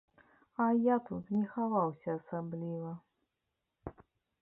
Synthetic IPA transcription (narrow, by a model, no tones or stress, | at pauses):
ɐjat̪ut̪nʲɛxavawsʲɐːsablʲivɐ